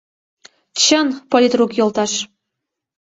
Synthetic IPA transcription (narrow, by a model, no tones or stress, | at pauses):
t͡ɕənpolʲit̪rukjolt̪ɑʃ